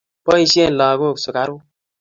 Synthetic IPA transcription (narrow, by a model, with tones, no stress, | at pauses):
pɔ˦i˧si˦e˦n̩˨laː˨ɡo˦˨kso˨ka˦ɾu˦